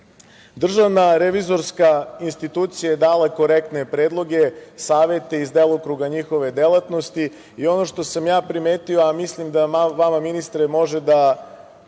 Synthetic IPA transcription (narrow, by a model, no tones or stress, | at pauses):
d̪r̩ʒaʋnaɾeʋizo̞ɾskainst̪it̪uːt̪sijajed̪aːlako̞ɾek̚t̪ne̞pɾeːd̪lˠo̞ɡe̞saːʋe̞t̪eizd̪elˠokɾuɡaɲixo̞ʋe̞d̪e̞lˠat̪no̞st̪i | io̞no̞ʃt̪o̞samjaːpɾime̞ːt̪ioamislˠimd̪aaʋamaminist̪ɾemo̞ʒed̪a